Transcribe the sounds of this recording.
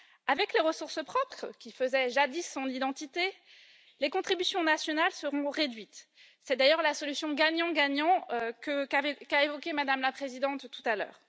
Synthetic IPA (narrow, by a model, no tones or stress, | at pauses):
avɛkleʁəsuʁsəpχɔpχkʲifəzɛʒad̪isːɔ̃nid̪ɑ̃t̪it̪e | lekɔ̃t̪χibysjɔ̃nasjɔnalsəʁɔ̃ʁed̪ɥit̪ | sɛd̪ajœʁlasɔlysjɔ̃ɡaɲɑ̃ɡaɲɑ̃økəkakaevɔkʲemad̪amlapχezid̪ɑ̃t̪ːut̪alœ̰ːʁ